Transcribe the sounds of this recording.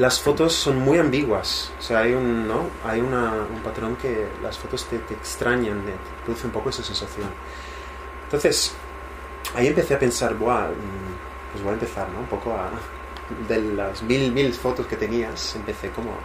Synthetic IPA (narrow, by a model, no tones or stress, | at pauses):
lasfo̞t̪o̞sːo̞nmujãmbiɣwaso̥seaajunːoajunaumpat̪ɾõ̞ŋke̞lʔa̰sfo̞t̪o̞st̪e̞t̪eːkst̪ɾaɲand̪et̪pɾoðuθeumpo̞koesasẽ̞nsaθjo̞n | nt̪o̞nθe̞s | aie̞mpe̞θe̞ape̞nsaɾbwa | pwezβojaempe̞θaɾno̞umpo̞ko̞a | d̪e̞lazmilmilfo̞t̪o̞ske̞t̪eniase̞mpe̞θe̞ko̞mo̰